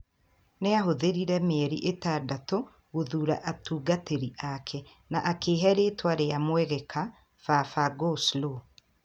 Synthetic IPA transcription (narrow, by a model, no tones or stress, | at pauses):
neaɦoðeɾiɾɛmeɾḭʔetaːdato | ɣoðuːɾa̰ʔatuːɡateɾiʔakʰɛ | naʔakeːɦɛɾetwaɾeamwɛɣɛkʰa | fafaɡoslo